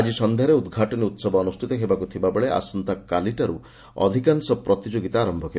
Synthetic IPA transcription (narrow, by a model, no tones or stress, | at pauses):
d͡ʒisɔnd̪ʱeaɾeud̪ɡʱaʈɔniut̪sɔbɔːnustʰit̪ɔɦebakut̪ʰibabeɭeʔa̰sɔnt̪akaliʈaɾṵ | ɔ̰d̪ʱikansɔpɾɔt̪id͡ʒoɡit̪aːɾɔmbʱɔkʰe